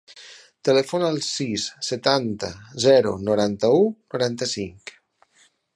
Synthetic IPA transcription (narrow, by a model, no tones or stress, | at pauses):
t̪əlɛfonalˠsisːət̪ant̪ə̰zɛɾṵnuɾant̪əunuɾant̪əsiŋk